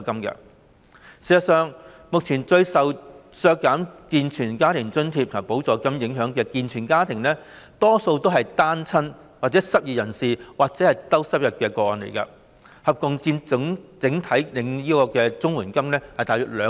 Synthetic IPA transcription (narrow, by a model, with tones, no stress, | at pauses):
kɐ˥mkɐ̰˧ | siː˨˩sɐ˨tsœː˨ŋ | mʊ˨k̚t͡sʰiː˨˩nt͡ʃɵ˧ɥsɐ˨wsœː˧kːaː˨˥mkiː˨nt͡ʃʰyː˨˩nkaː˥t̪ʰɪ˨˩ŋt͡sɵ˥nt̪ʰiː˧p̚t̪ʰɐ˨˩po˨˥wt͡sɔː˨˧˥kɐ˧mjɪ˨˥ŋɦœː˨˥ŋkɛː˧kiː˨nt͡ʃʰyː˨˩nkaː˥t̪ʰɪ˨˩ŋnɛː˥ | t̪ɔː˥so˧wt̪o˥wɦɐ˨jt̪aː˥nt͡sʰɐ˥n | waː˨k̚t͡sɛ˨˥sɐ˨p̚jiː˨˩jɐ˨˩nsiː˨waː˨k̚t͡sɛː˨˥hɐ˨jt̪ɐ˥wsɐ˥p̚jɐ˨t̚kɛː˧kɔː˧ɔː˨nlḛ˨˩jkɐ̰˧ | hɐ˨p̚kʊ˨ŋt͡siː˧m˧ŋt͡sɪ˨˥ŋt̪ʰɐ˨˥jlɪ˨˧ŋjiː˥kɔː˧kɛː˧t͡sʊ˥ŋwuː˨˩nkɐ˥mnɛː˥hɐ˨jt̪aː˨˩jœː˨˩t̚lœː˨˥